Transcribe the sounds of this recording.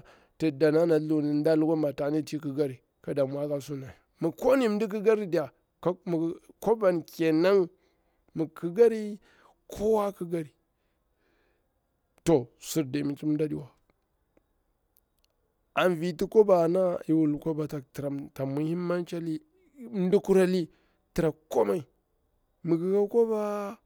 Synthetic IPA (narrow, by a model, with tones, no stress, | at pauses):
ti˨da˨na˦na˨lu˦˨ni˨n˦da˦lu˦ɡa˦ma˨ta˨ni˦ti˦ki˦ɡa˦ɾi˨ | ka˦da˨mʷ˨a˦ka˦su˦na˨i˨mu˨ko˦ni˦m˦di˦k̬i˦ɡa˦ɾi˦di˨ja˨˦ | m˨ko˦ba˨nke˨na˦ŋ | mu˨kʰi˦ɡa˦ɾi˦ | kʰo˦wa˦ki˦ɡa˦ɾi˨ | to˨su˨ɾde˨mi˨t͡ʃi˦m˦da˦dḭ˦wa˨ | a˨nvi˨ti˦ko˦ba˨na˦i˨wu˨lko˦ba˨ta˨tɾa˨ta˨mu˦hi˦mːa˦nt͡ʃa˦li˦ | m˦du˦ku˦ɾa˦li˦ | ti˨ɾa˨ko˦ma˦˨i˨ | mu˨ki˨ka˦ko˦ba˦